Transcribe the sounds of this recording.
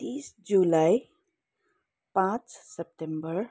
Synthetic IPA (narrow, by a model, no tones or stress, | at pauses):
t̪isd͡ʒulaj | pãt͡ssep̚ʈembəɾ